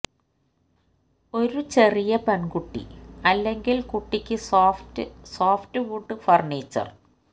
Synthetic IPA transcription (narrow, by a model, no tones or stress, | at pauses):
o̞ɾut͡ɕe̞rijɐpɐnɡuʈːḭɐlːe̞ŋɡilkuʈːikʲːɨsftɨsoːftɨʋuʈːɨfɐrɳiːt͡ɕːɐ̰r